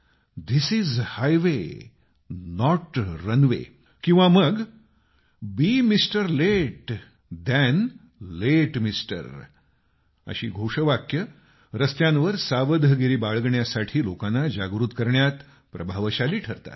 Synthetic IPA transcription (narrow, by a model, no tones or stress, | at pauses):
d̪isiːzhajʋe | nɔʈɾənʋḛ | kĩw̃ʋaməɡ | bimisʈəɾleʈ | d̪ɛn | leʈmisʈə̰ɾ | ə̰ɕḭːɡʱoʂəʋakjə | ɾəst̪jãnʋəɾsaʋəd̪ʱəɡiɾiːbaɭɡɳjasaʈʰiːlokanːad͡ʑaɡɾut̪kəɾɳjat̪ | pɾəbʱaʋɕaliːʈʰəɾt̪a̰t̪